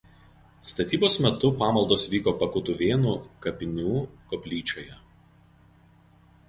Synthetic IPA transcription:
st̪ɐt̪ʲiːboːsmʲɛt̪ʊpɑːmɐlˠd̪oːsʋʲiːkoːpɐkʊt̪ʊʋʲeːnuːkɐpʲɪnʲuːkɔpʲlʲiːt͡ʃʲoːjɛ

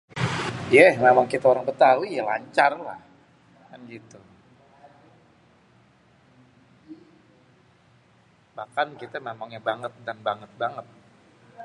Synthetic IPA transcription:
jamamaŋkit̪aoɾaŋbət̪aujala̰ɲt͡ʃarla̰h | kanɡit̪u | bahkankit̪amemaŋɲabaŋət̪̚danbaŋət̪̚baŋət̪̚

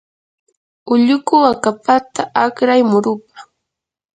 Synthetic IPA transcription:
ʊʎʊkʊwakapat̪aʔakɾajmʊɾʊp̚ḁ

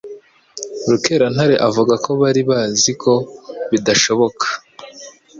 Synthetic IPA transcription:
ɾuke̞ɾan̥haɾe̞ʔavuɡako̞βaɾiβaːzikʰo̞βidaʃo̞βo̞kʰḁ

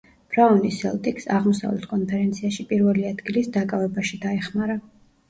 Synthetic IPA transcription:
b̥ɾaɔnisɛ̰lˠt̪ʼiksaʁmɔsa̰vlɛ̰t̪ʰkʼɔnpʰɛɾɛnt̪sʰiaʃipʼiɾvɛliad̪ɡilisd̪akʼavɛbaʃid̪aɛχmaɾa

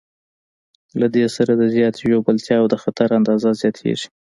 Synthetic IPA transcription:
lad̪esaɾad̪əzjɑt̪jobəlt̪jɑːwd̪əxat̪aɾand̪ɑzazjɑt̪ʰḛʐi̥

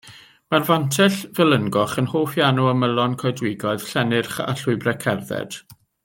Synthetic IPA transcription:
marvantʰɛɬvɛlˠənɡɔχənhoːfjanuəməlˠɔnkʰɔɨdwɪɡɔɨð̥ɬɛnɪrχa̰ɬʊɨbrɛkʰɛrðɛ̰d̥

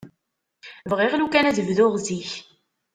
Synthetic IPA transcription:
vʁiʁlukænæðəvðʊʁziç

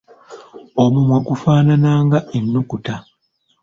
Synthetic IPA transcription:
omumwakufaːnanaːŋɡaʔenːukuta

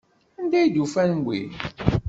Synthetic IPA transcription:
ænd̪æjid̪ufænwʷḭ

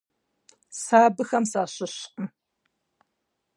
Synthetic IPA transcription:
saːbɨxɐmsaːɕɪɕqʼə

